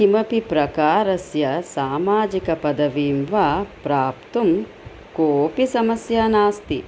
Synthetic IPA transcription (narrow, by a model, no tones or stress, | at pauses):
imɐpipɾɐkaːɾɐsjɐsaːmaːd͡ʒikɐpɐd̪ɐʋiːmʋapɾaːpt̪um | koːpisɐmɐsjaːnaːst̪i